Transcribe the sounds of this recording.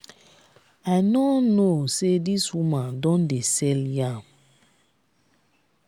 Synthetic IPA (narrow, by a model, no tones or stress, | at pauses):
aɪnɔnosediswumãndɔ̃ndesɛljãm